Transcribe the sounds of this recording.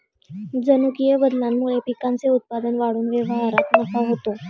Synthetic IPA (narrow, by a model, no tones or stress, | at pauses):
d͡zənukijəbəd̪lamːuɭepikant͡seut̪̚pad̪ənʋaɽuːnʋeʋəɦaɾat̪nəkaɦot̪o